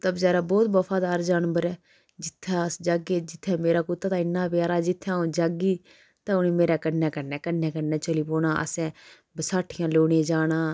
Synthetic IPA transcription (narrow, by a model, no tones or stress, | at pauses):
t̪əbd͡ʒɛːɾaːbɔːt̪bəpʰaːd̪aːɾd͡ʒaːnbəɾɛː | d͡ʒɪt̪ʰːaːəsd͡ʒaːɡeːd͡ʒɪt̪ʰːɛ̃ːmeːɾaːkʊt̪ːaːt̪ãːɪnːãːpɪjaːɾaːd͡ʒɪt̪ʰːãːõːd͡ʒaːɡiː | t̪ãːʊnĩːmeːɾaːkəɖnɛ̃ːkəɾnɛːkəɛ̃ːkənɛːt͡ʃəliːpoːnãːʔə̰sɛ̃ː | bəsaːʈʰɪjãːloːɽẽːd͡ʒaːɽãː